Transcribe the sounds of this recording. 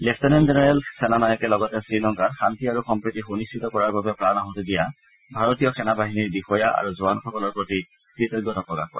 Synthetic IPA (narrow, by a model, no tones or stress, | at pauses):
lɛpʰtɛnɛnzenɛɹɛlsɛnanajɔkɛlɔɡɔtɛsinɔŋkadxantiaɹuxɔmpɹitixonistʰitɔkɔɹaɹbabɛpɹanaɦotedija | bʱaɹotijɔkʰɛnabaɦiniɹbixɔjaʔa̰ɹuzuanxɔkɔlɔɹpɹoti | tɹitɛɡɔtɔpɹɔka̰xkɔ̰ɹɛ